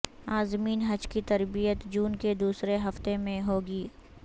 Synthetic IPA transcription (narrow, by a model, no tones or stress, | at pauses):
aːzmiːnɦɐd͡ʒkit̪ɐɾbijət̪d͡ʒuːnked̪uːsɾeɦɐft̪emẽɦoːɡiː